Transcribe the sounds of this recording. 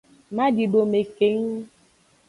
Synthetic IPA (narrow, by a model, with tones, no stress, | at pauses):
mã˦di˨ɖo˨me˨ke˨˦ŋ˦